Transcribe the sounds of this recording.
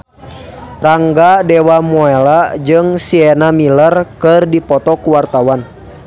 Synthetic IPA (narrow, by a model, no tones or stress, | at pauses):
raŋɡadɛwamɔɛlad͡ʒɨŋsiɛnamilərkɨrdipɔt̪ɔkuwart̪awan